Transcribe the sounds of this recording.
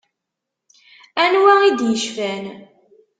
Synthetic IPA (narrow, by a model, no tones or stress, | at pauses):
ænwæid̪jəʃfæn